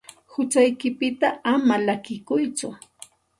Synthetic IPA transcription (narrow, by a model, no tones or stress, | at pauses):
hʊt͡ʃajkɪpɪt̪aamalakɪkʊjt͡sʊ